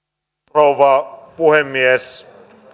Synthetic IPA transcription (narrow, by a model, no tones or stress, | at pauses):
oʋɑpuhemːies